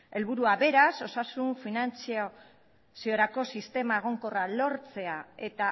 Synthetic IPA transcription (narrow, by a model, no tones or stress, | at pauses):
e̞lβuɾuaβe̞ɾaso̞sasuɱfinant͡sio | sio̞ɾako̞sist̪e̞maeɣ̞o̞ŋko̞ralo̞ɾt͡se̞ae̞t̪a